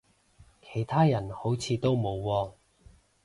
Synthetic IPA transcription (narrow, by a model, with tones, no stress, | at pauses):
kʰe˨˩jt̪ʰaː˥jɐ˨˩nho˨˥wt͡sʰiː˨˧t̪o˥wmo˨˧wːɔː˧